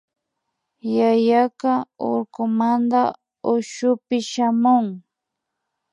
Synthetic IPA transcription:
jajakao̰ɾkʊmand̪a | ʊʃʊpɪʃamʊŋ

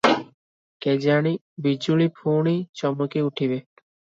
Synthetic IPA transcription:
ked͡ʒaɽi | bid͡ʒuɭipʰuɽ̃it͡ʃɔmɔkiuʈʰibe

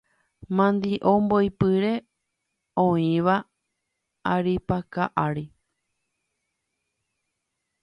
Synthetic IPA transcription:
mãnd̪iʔombojpɨɾe̞ | õĩʋa | aɾipakaʔaɾi

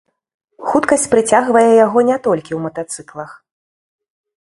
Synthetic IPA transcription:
xut̪kɐsʲt͡sʲpɾɨt͡sʲaɣvɐjɛjaɣɔnʲɛt̪ɔlʲkʲiwmɐt̪at̪sɨklˠɐx

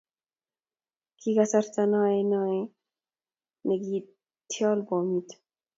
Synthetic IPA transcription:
kʰiɡasaɾt̪anaːenɑːe | neɡiː | t̪ʰjɑːlbɔːmit̪

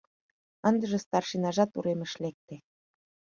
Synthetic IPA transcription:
ə̆nd̪ə̆ʒĕst̪ɑrʃinɑʒɑt̪ṵɾemə̆ʃlek̚t̪e

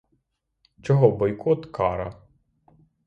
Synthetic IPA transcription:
t͡ʃɔɦɔbɔjkʰɔt̪kɑɾɐ̰

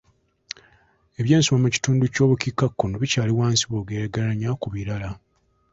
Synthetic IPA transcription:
e̞βje̞ːnsomamuci̥tuːnduco̞ːβukikːakːonoβicaːliwaːnsiβoɡeːɾaɡalaɲakuβiɾala

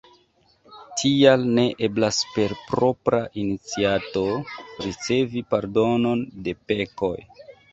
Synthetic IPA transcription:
tʰialne̞ʔe̞blaspe̞ɾpɾo̞pɾaʔinit͡siato̞ɾit͡se̞vipaɾdo̞no̞nde̞pe̞ko̞̰j

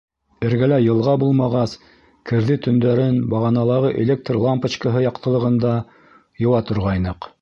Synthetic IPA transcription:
ɘ̆ɾɡælæjɤ̆lˠʁɑbulˠmɑʁɑs | kʰɘ̆ɾðɘt̪ɵ̆nd̪æɾɘnbɑʁɑnɑlˠɑʁɤʔelʲek̚t̪rlˠampət͡ɕkəɦɤjɑqt̪ɤ̆lˠɤ̆ʁɤ̆nd̪ɑ | jŏwɑt̪ŏɾʁɑjnɤq

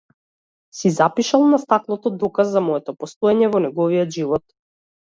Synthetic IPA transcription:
sizapiʃalˠnast̪aklˠɔt̪ɔd̪ɔkazːamɔɛt̪ɔpɔst̪ɔɛɲɛvɔnɛɡɔvijɔt̪ʒivɔt̪

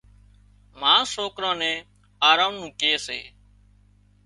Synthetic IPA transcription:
mãːsoːkɾãːnɛ̃ː | aːɾaːnũːkeːsḛː

